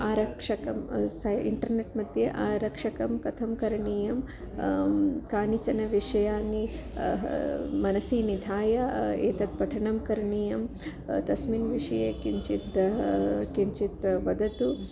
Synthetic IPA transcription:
aːɾɐkʂɐkɐmsɐḭɳʈɐɾneʈmɐd̪ʱjɐʔaːɾɐkʂɐkɐmkɐt̪ʰɐmkɐɾɐɳiːjɐm | kaːnit͡ʃɐnɐʋiʂɐjaːni | mɐnɐsiːnid̪ʱaːjɐeːt̪ɐt̪̚pɐʈʰɐɳɐmkɐɾɐɳiːjɐm | t̪ɐsminʋiʂɐjeːkiɲt͡ʃit̪ | kiɲt͡ʃit̪ʋɐd̪ɐt̪u

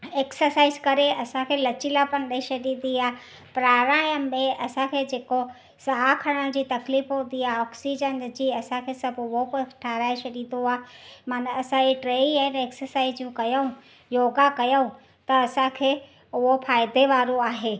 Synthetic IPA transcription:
eːksəɾsaːɪzkɐɾeʔɐsãkʰeːlɐt͡ɕilapɐnɗɐiʃɐɗĩnd̪iaː | pɾaːɾaːjəmmẽʔɐsãkʰeːd͡ʑeːko | sɐɦakʰɐɽ̃ə̃d͡ʑiːt̪ɐkliːfɦũnd̪iaːɦɔːksid͡ʑənd͡ʑiːɐsãkʰeːsɐbʋokoʈʰaːɾaːɪʃɐɗĩnoaːmaːnɐɐsãd͡ʑiʈɾeːianeːksəɾsaːɪzjũkɐjəũ | joːɡakɐjoũ | t̪ɐɐsãkʰeː | ʊɦofʰaːɪd̪ʱeʋaːɾoaːɦeː

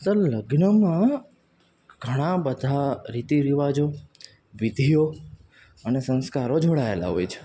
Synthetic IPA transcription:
t̪ələɡnəmã | ɡ̥ʱəɽ̃ãbəd̪ʱaɾit̪iɾiʋad͡ʒo | ʋid̪ʱijo | ənesə̃nskaɾod͡ʒʱoɽaela̰ɦojt͡ʃʰe̥

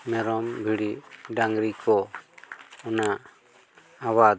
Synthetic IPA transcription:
mɛɾɔmbʱiɽiɖaŋɡɾikʰɔ | ɔnaʔ | awa

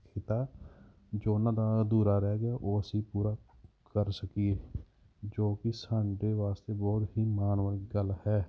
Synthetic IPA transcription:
kʰɪt̪aː | d͡ʒoːnãːd̪aːd̪uːɾaːɾɛːɡaʔoːsiːpuːɾaːkəɾsəkieː | d͡ʒoːkɪsãːɳɖeːʋaːst̪eːbɔːt̪ɦiːmaːnʋəɾɡəlhɛː

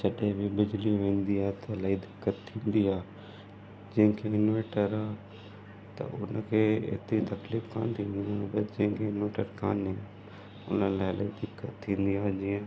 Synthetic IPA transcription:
t͡ʃɐɗẽbɪbɪd͡ʑliʋẽːnd̪iaːɦt̪ɐlaːid̪ɪkːət̪ʰːĩːn̆d̪iaː | d͡ʑɐ̃ɦɪ̃kʰeɪnoeːʈəɾaɦ | t̪ɐ̰ʔʊnəkʰeːḛːt̪ɾit̪ɐkliːfkʰã̰ːnt̪ʰĩːn̆d̪iaːbɐd͡ʑɐ̃ɦɪ̃kʰeɪnoʋeːʈəɾkʰã̰ːnẽ | ʊ̰nəlaːɪla̰id̪ɪkːət̪ʰːĩːn̆d̪iaːd͡ʑiːə̃

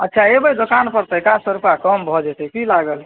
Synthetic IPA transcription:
ətːʃʰaebəjd̪okanpəɾt̪əkãsəɾupakɔmbʱɔd͡ʒɛt̪ɛkilaɡəl

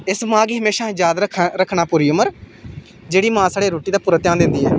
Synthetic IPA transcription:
ɪsmãːɡiːɦəmeːʃãːd͡ʒjaːd̪ɾəkʰɾəkʰːnaːpʊːɾiːʊməɾ | d͡ʒeːɽiːmãːsaːɽeːɾoːʈiːd̪aːpʊɾət̪jãːnd̪ɪnd̪iːɛ̰ː

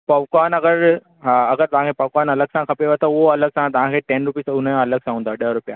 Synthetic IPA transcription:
pɐʋkwaːnɐɡəɾ | ɦaɐɡəɾt̪ɐʋ̤ãŋkʰepɐʋkwaːnɐləɡ̚sãkʰɐpeoet̪ɐʊɦoɐləɡ̚sãt̪ɐʋ̤ãkʰeːʈɛ̃nɾʊpiːsʊnəɐləɡ̚sãɦũːnd̪aːɗəɦɾʊpija

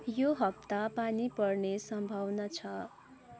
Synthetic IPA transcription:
joɦʌp̚t̪apanipʌrnesʌmbʱawnʌt͡sʰʌ

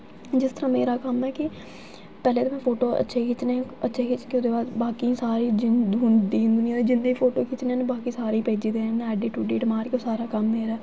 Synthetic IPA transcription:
d͡ʒɪst̪əɾãːmeːɾaːkəmɛːkɪ | pɛːleːt̪oːmɛ̃ːpʰoːʈoːə̰tːʃʰeːkʰɪt͡ʃneːãətːʃʰeːkʰɪt͡ʃkeod̪eːbaːd̪baːkiːsaːɾiːd͡ʒɪd̪ʱuːnd̪ẽːnd̪ʊnɪjãːd̪eːd͡ʒɪnd̪iːpʰoːʈoːkʰɪt͡ʃneãːnebaːkiːsaːɾiːpeːd͡ʒiːd̪eːnɛːɖiːʈuːɖeːʈmaːɾkeoːsaːɾaːkəmmeːɾɛː

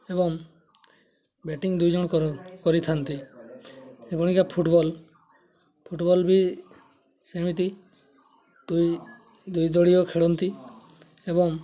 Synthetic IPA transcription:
ebɔŋ | beʈiŋd̪ujd͡ʒɔɽɔkɔkɔɾit̪ʰant̪i | epɔɽ̃ikapʰuʈbɔl | pʰuʈbɔlbi | semit̪i | d̪uj | d̪ujd̪ɔɽijɔkʰeɭɔnt̪i | ebɔŋ

